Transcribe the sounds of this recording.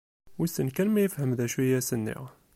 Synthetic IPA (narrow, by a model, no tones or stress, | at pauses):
wisənkænmæjəfhəmðæʃwijæsənːḭʁ